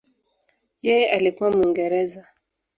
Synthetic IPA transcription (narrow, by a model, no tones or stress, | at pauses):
jɛjɛʔalikuwamuiŋɡɛɾɛza